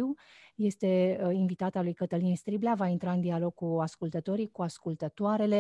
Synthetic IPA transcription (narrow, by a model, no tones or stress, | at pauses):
w | je̞st̪e̞invit̪at̪alujkət̪əlinst̪ɾiblavaint̪ɾaɨnd̪ialo̞ɡ̚kuaskult̪ət̪o̞ɾijkuaskult̪ət̪oaɾe̞le̞